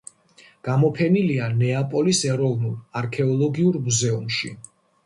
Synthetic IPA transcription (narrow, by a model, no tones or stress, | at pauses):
ɡ̥amɔpʰɛnilianɛapʼɔlisɛɾɔvnulˠaɾkʰɛɔlˠɔɡiuɾmuzɛumʃḭ